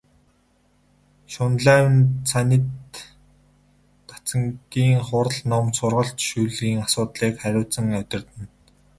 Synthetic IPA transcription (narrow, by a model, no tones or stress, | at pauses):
ʃʊnɮæːwnt͡sʰanʲĭt̪ | ḁt͡sə̆ŋt̪iːŋχʊɾə̆ɮnɔmt̪sʊrʁə̆ɬt̪ʃuːɮiːŋasʊːt̪ɮiːkχæɾʲʊːt͡sə̆ŋæt̪ʲɪ̆rt̪ɘ̆n